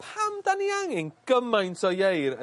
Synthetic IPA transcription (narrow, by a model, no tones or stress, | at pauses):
pʰamdaniaŋɪŋɡ̥əmajntʰɔjejɾə